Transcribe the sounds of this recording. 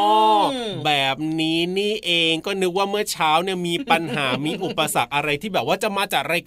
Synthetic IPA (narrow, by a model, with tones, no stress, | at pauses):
bɛː˨˩p̚niː˦˥niː˥˩ʔeː˧ŋkɔː˥˩nɯ˦˥k̚waː˥˩mɯ˥˩ɐt͡ɕʰaː˦˥wni˥˩ɐmiː˧pa˧nɦaː˩˦miː˧ʔu˨˩pːa˧sa˨˩k̚ʔa˧ɾa˧jt̪ʰiː˥˩bɛː˨˩p̚waː˥˩t͡ɕa˨˩maː˧t͡ɕaː˨˩k̚ɾa˧jk